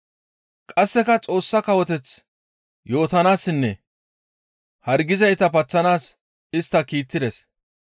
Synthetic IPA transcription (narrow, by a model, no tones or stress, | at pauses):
kʼɐsːɛkɐt͡sʼo̞ːsːɐkɐwɔt̪ɛt͡s | jo̞ːt̪ɐnaːsːɪnːɛ | hɐɾɡɪzɐjt̪ɐpɐt͡sːɐnaːs | ɪst̪ːɐkiːt̪ːɪd̪ɛs